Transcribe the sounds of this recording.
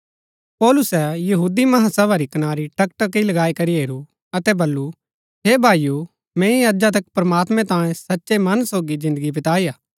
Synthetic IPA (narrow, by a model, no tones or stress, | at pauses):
pɔːlʊsɛjɐɦuːd̪imɐɦãsɐbaɾikɐnaːɾiʈɐkʈɐkilɐɡaːikɐɾiɦeːɾu | ɐt̪ɛbɐlːu | ɦeːbʱaːiju | mɛ̃ːĩɐd͡ʒat̪̬ɐkpɾɐmaːt̪mɛ̃t̪ãːẽsɐtːʃemɐnsoːɡid͡ʒɪ̃nd̪əɡip̬ɪt̪aːijaː